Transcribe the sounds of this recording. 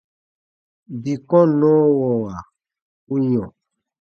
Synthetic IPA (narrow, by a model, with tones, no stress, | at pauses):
bi˨kɔ̃˦nɔ̃ː˦wɔ˨wa˨ | u˦ɲɔ̃˨